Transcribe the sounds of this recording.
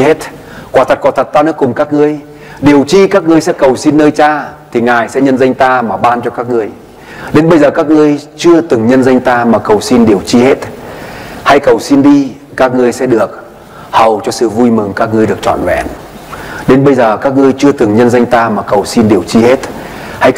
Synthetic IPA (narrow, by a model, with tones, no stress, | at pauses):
he˦˥t̚ | kwaː˧˩t̪ʰə˨˩t̚kɔ˨˩t̪ʰə˨˩t̚t̪aː˧nɨ˦˥əkːʊ˨˩ŋ͡mkaː˦˥k̚ŋɨ˧əj | ɗi˨˩əwt͡ɕi˧kaː˦˥k̚ŋɨ˧əjsɛ̰˧˥kə˨˩wsi˧nːəː˧jt͡ɕaː˧t̪ʰi˨˩ŋaː˨˩jsɛ̰˧˥ɲə˧nzə˧ŋ̟t̪aː˧maː˨˩ɓaː˧nt͡ɕɔ˧kaː˦˥k̚ŋɨ˧əj | ɗe˨˦nɓə˧jzəː˨˩kaː˦˥k̚ŋɨ˧əjt͡ɕɨ˧ət̪ɨ˨˩ŋɲə˧nzə˧jŋ̟t̪aː˧maː˨˩kə˨˩wsi˧nɗi˨˩əwt͡ɕi˧he˦˥t̚ | ha˧jkə˨˩wsi˧nɗi˧ | kaː˦˥k̚ŋɨ˧əjsɛ̰˧˥ɗɨ˨˩ək̚ | hə˨˩wt͡ɕɔ˧sɨ̰˧˨vu˧jmɨ˨˩ŋkaː˦˥k̚ŋɨ˧əjɗɨ˨˩ək̚t͡ɕɔ̰˧˨nwɛ̰˧˩n | ɗe˨˦nɓə˧jzəː˨˩kaː˦˥k̚ŋɨ˧əjt͡ɕɨ˧ət̪ɨ˨˩ŋɲə˧nzə˧jŋ̟t̪aː˧maː˨˩kə˨˩wsi˧nɗi˨˩əwt͡ɕi˧he˦˥t̚ | ha˧j